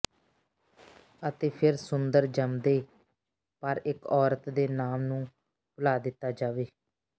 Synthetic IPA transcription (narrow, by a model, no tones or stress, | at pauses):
ət̪eːpʰɪɾsʊnd̪əɾd͡ʒəmd̪eː | pəɾɪkɔːɾət̪d̪eːnaːmnũː | bəlaːd̪ɪt̪ːaːd͡ʒaːʋeː